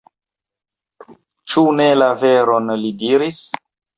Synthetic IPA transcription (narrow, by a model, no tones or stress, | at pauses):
t͡ʃune̞lave̞ɾo̞nlidiɾis